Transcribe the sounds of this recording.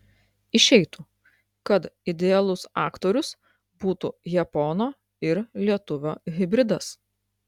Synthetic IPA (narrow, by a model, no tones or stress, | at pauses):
ɪʃʲɛɪt̪uː | kɐt̪ɪd̪ʲɛɛlˠʊsɑ̰ːkt̪oːɾʲʊs | buːt̪uːjɛpɔnoː | ɪɾlʲiɛt̪ʊʋʲoːɣʲɪbʲɾʲɪd̪ɐs